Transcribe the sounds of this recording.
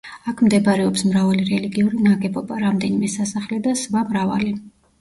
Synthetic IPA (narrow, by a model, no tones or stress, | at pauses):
akʰmd̪ɛbɾɛɔpsmɾavaliɾɛliɡiuɾinaɡɛbɔbaɾamd̪ɛnimɛsasaχlɛd̪asvamɾava̰li